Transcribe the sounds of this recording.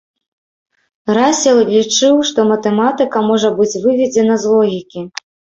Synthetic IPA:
ɾasʲɛlˠlʲit͡ʂɨwʂt̪ɔmɐt̪ɛmat̪ɨkɐmɔʐɐbɨt͡sʲvɨvʲɛd͡zʲɛnɐzlˠɔɣʲikʲi

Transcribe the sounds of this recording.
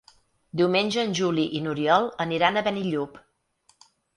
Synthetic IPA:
d̪iwmenʲʒəːnʲʒuliʔinuɾiɔlˠəniɾanəβɛniʎup

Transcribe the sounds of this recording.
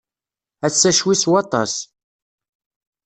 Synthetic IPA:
æsːæʃwiswɑt̪ˤɑ̰s

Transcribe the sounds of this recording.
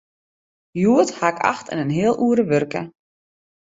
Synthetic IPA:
juəthaka̰xtʰə̰nənɦɪəlˠʔuːəɾəʋørkə̰

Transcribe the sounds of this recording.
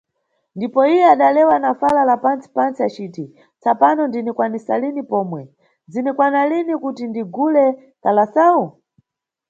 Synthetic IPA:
ndipɔijɛaɗalɛwanafalalapant͡si̥pant͡siat͡ʃiːti | t͡sapanɔndinikwanisalinipɔːmwɛ | zinikwanalinikutindiɡulɛ | talasawu

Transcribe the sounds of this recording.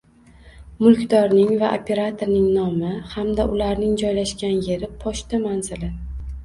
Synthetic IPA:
mʊlˠkʲd̪ɒɾnɪŋvaʔopʰe̞ɾat̪ʰoɾnɪŋnɒmɪhamd̪aʔʊlaɾnɪŋd͡ʒɒjlaʃkʲanje̞ɾɪpʰɒʃt̪amanzɪlɪ

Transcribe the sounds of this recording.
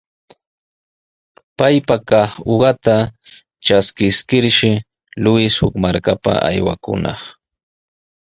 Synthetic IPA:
pajpakɑχʊɢat̪a | t͡ʃaskɪskɪɾʃɪ | lʊjɪshʊkmaɾkapa̰ʔa̰jwa̰kʊ̰nɑ̰χ

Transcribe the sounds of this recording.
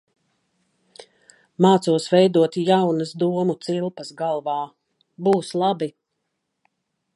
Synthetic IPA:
maːt̪suɔsvɛjd̪uɔt̪jawnɐsd̪uɔmut̪silˠpɐsɡalˠvaː | buːslˠabi

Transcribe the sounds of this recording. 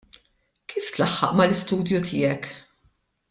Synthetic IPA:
kʰiːft̪lɐħːɐ̰ʔmɐlɪst̪uːd̪jut̪ʰɪːɛk

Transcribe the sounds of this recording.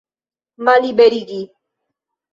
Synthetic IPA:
malibeɾiɡi

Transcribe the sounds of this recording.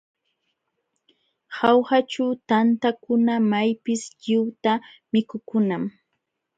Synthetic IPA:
hawhat͡ʃawt̪ant̪akʊnamajpɪsʎɪwt̪amɪkʊkʊnam

